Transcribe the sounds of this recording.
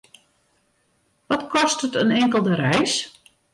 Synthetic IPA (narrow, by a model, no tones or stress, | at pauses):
ʋɔtkʰɔstətənɛŋkəlˠdəɾɛjs